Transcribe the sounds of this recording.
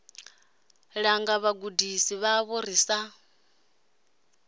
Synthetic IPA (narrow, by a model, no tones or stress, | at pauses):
ɺaŋɡaβaɡudisiβaβɔɾisa